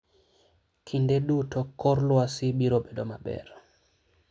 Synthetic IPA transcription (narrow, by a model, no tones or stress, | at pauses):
kʰindedutɔkʰːɔɾlwasɪbiɾobedomabɛ̰ɾ